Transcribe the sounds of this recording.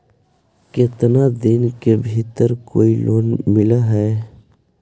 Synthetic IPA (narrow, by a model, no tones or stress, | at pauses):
ket̪nad̪ɪnkebʱit̪əɾkoːilʔoːnmɪlaɦɛː